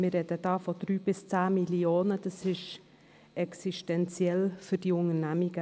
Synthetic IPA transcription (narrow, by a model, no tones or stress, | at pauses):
mɪrɾɛd̥əd̥ɑːfɔd̪̥ɾyːb̥ɪst͡saːmilioːnəd̥ɑsɪʃ | ɛksiʃtɛnt͡sjɛlfʏɾd̥iʊŋənæmiɡə